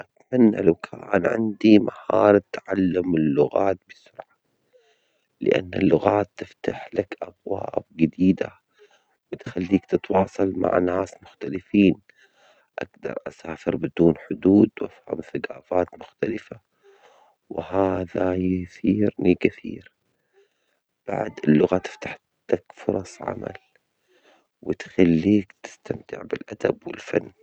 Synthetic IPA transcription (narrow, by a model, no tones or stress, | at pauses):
ʔat̪manːa̰lawkʰaːnʕɪ̰nd̪imahɑːɾˤt̪ːaʕalːʊmɪlːʊɣaːt̪̚bɪsʊɾʕa | lɪ̰ʔa̰nːalːʊɣaːt̪ːɪft̪aħlakʔabwaːb̚ɡɪd̪iːd̪a | bɪt̪xalːiːkt̪ɪt̪wɑːsˤɑlma̰ʕnaːsmʊxt̪alɪfiːn | ʔaɡd̪ɑ̰ɾˤʔasaːfɪɾbɪd̪uːnħʊd̪uːd̪wʔafhamθaɡaːfaːt̪mʊxt̪alɪfa | wɪhaːðajʊθiːɾnikɪθḭːɾ | b̥a̰ʕd̪ɪlːʊɣat̪ɪ̥ft̪aħ | t̪akfʊɾˤɑsˤʕa̰ma̰l | wɪt̪xalːiːkt̪ɪ̥st̪amt̪ɪʕbɪlʔad̪abwɪlfa̰nː